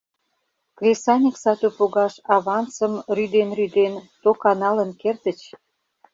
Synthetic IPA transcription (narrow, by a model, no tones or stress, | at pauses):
klʲesɑnʲiksɑt̪upoɣɑʃɑβɑnt͡sə̆mryd̪enryd̪ent̪okɑnɑlə̆nkert̪ə̆t͡ɕ